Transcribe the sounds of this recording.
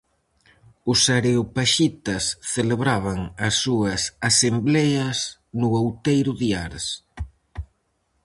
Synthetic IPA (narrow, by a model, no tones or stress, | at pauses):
ʊsaɾeopaʃit̪ɐsθeleβɾaβɐŋɐsːuɐsasemblɛɐsnʊawt̪ejɾʊðiaɾs